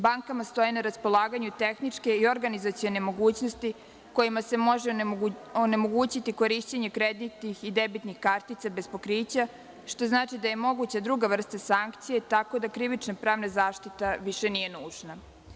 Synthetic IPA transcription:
baŋkamast̪o̞jinaɾaspo̞lˠaːɡaɲut̪e̞xnit͡ʂke̞io̞ɾɡanizat̪sijo̞ne̞mo̞ɡuːt͡ɕnost̪i | ko̞jimase̞mo̞ʒeone̞moɡuːt͡ɕit̪iko̞ɾiʃt͡ɕeɲekɾed̪nit̪nixid̪ebit̪nixkaɾt̪it̪sabe̞spo̞kɾiːt͡ɕa | ʃt̪o̞znaːt͡ʃid̪aje̞mo̞ɡut͡ɕad̪ɾuɡaʋr̩st̪asaŋkt̪sije̞t̪ako̞d̪akɾiʋit͡ʃnapɾaːʋnazaːʃt̪it̪aʋiʃe̞nije̞nuːʒna

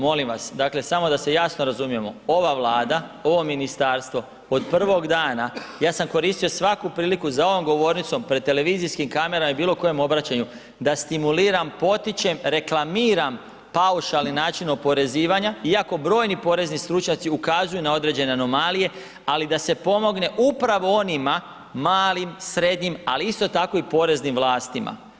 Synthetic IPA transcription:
mo̞limʋasd̪aːkle̞samo̞d̪asejasno̞ɾazumije̞mo̞o̞ʋaʋlˠaːd̪ao̞ʋo̞minist̪aːɾst̪ʋo̞ | od̪pr̩ʋo̞ɡd̪aːnajaːsamko̞ɾist̪ijo̞sʋakupɾiːlikuzao̞ʋo̞mɡo̞ʋo̞ːɾnit̪so̞mpɾe̞d̪t̪ːe̞le̞ʋiːziskimkame̞ɾamaibiːlˠo̞ko̞je̞mo̞bɾat͡ɕaɲu | d̪ast̪imuliːɾampo̞t̪it͡ɕe̞mɾe̞klˠamiːɾam | pauʃalninaːt͡ʃinopo̞ɾe̞ziːʋaɲaiako̞bɾo̞ːjnipo̞ɾe̞znist̪ɾut͡ʃɲat̪siukazujunao̞d̪ɾe̞ːd͡ʑe̞ne̞ano̞malije̞ | alid̪ase̞po̞mo̞ɡne̞ʔupɾaʋo̞o̞nima | maːlimsɾe̞d̪ɲima̰liist̪o̞t̪ako̞ipo̞ɾe̞znimʋlˠaːst̪ima̰

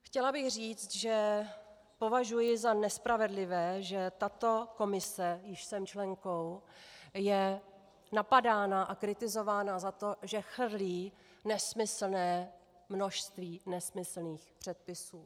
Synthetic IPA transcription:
xcɛlabɪɣriːt͡st̪ʒɛ | po̞vaʒujɪzanɛspɾavɛdlɪvɛːʒɛt̪at̪o̞ko̞mɪsɛjɪʃsɛmt͡ʃlɛŋko̞w | jɛ | napadaːnaʔakɾɪt̪ɪzo̞vaːnazat̪o̞ʒɛxr̩liː | nɛsmɪsl̩nɛː | mno̞ʃst̪viːnɛsmɪsl̩niːxpr̝̥ɛt̪̚pɪsuː

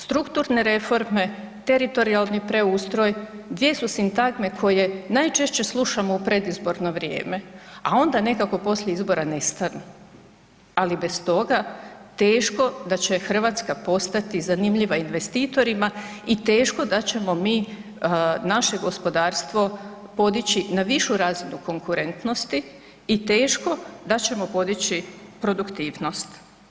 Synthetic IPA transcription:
st̪ɾukt̪uɾne̞ɾe̞fo̞ɾme̞ | t̪e̞ɾit̪o̞ɾialˠnipɾe̞uːst̪ɾo̞jd̪ʋje̞susint̪aɡme̞kʰo̞je̞najt͡ʃe̞ʃt͡ɕe̞slˠuʃamoupɾe̞d̪izbo̞ɾno̞ʋɾjḛːme̞ao̞nd̪ane̞kako̞po̞sʎʲe̞izbo̞ɾane̞st̪anu | alibe̞st̪o̞ɡat̪eːʃko̞d̪at͡ɕe̞xr̩ʋat̪skapo̞st̪at̪izanimʎiʋainʋe̞st̪iːt̪o̞ɾimait̪e̞ːʃko̞d̪at͡ɕe̞mo̞miː | naʃe̞ɡo̞spo̞d̪aːɾst̪ʋo̞ | po̞d̪it͡ɕinaʋiʃuɾazinuko̞ŋkuɾe̞nt̪no̞st̪iː | t̪e̞ːʃko̞d̪at͡ɕe̞mo̞po̞d̪it͡ɕipɾo̞d̪ukt̪iːʋno̞st̪

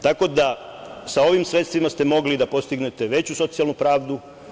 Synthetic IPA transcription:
t̪ako̞d̪asao̞ʋimsɾe̞t̪st̪ʋimast̪e̞mo̞ɡlid̪apo̞st̪iɡne̞t̪e̞ʋe̞t͡ɕuso̞t̪sijalˠnupɾaːʋd̪u

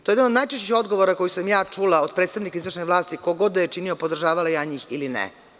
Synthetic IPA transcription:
t̪ojed̪anod̪naːjt͡ʃet͡ɕixo̞d̪ɡo̞ʋoɾako̞jisamjaːt͡ʂulˠaod̪̚pɾe̞ːt̪st̪aʋnikaizʋr̩ʃneʋlˠaːst̪ikoɡo̞d̪ajet͡ʃiniopo̞d̪r̩ʒaːʋalajaɲiːxilinɛ̰

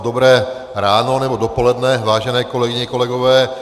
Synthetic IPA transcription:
dobɾɛː | ɾaːno̞nɛbo̞dopo̞lɛdnɛvaːʒɛnɛːko̞lɛɡɪɲɛko̞lɛɡovɛː

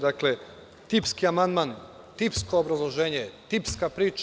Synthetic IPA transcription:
d̪akle | t̪ipskiamand̪man | t̪ipskoːbɾazlˠoʒeːɲet̪ipskapɾiːt͡ʃ

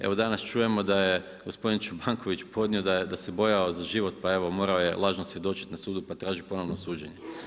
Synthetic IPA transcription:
e̞̰ʋo̞d̪anast͡ʃuːje̞mo̞d̪aje | ɡospo̞d̪int͡ʃubaŋkʰo̞ʋit͡ʃpo̞d̪nʲio̞d̪ajed̪asebo̞jaozaʒiʋo̞t̪pae̞ʋo̞mo̞ːɾao̞je̞lˠaːʒnosʋje̞d̪o̞t͡ʃi̥t̪nasuːd̪upat̪ɾaːʒipo̞no̞ʋnosuːd͡ʑeɲe

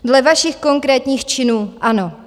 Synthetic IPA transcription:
dlɛvaʃɪxko̞ŋkɾɛːt̪ɲiːxt͡ʃɪnuːʔano̞

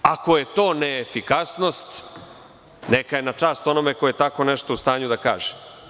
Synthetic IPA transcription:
ako̞je̞t̪o̞ːneːfikasno̞st̪ | nekaje̞nat͡ʂaːst̪o̞nomekojet̪ako̞neʂt̪oust̪aːɲud̪aka̰ːʒem

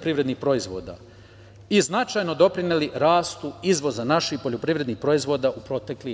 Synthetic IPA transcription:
pɾiʋɾe̞d̪nixpɾo̞izʋo̞̰ːd̪a̰ | iznat͡ʃajno̞d̪o̞pɾineliɾaːst̪uizʋo̞zanaʃixpo̞ʎo̞pɾiʋɾe̞d̪nixpɾo̞izʋo̞ːd̪aʔupɾo̞t̪e̞kli

